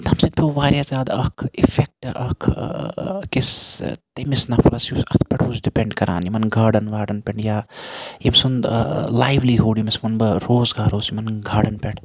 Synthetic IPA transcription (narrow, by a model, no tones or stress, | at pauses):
t̪ɐmsid̪̚pʰʲeʋaːɾʲjazaːd̪ɐkʰifʰek̚ʈʔɐ̰kʰ | kist̪ɐmisnɐfʰɐlɐsusɐ̰t̪ʰpʲɛʈʰuːsɖipeɳɖkɐɾʔa̰ːnimɐnɡʱaːɖɐnʋaːɖɐnpʲeɳjaːjimsunlaːjʋliɦuːɖimismɐnbɐɾoːzɡaːɾoːsimɐnɡʱaːɖɐnpʲeʈʰ